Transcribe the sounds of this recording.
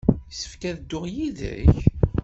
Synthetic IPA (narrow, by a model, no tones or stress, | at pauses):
sə̥fkæðd̪ːʊʁjiðə̰ç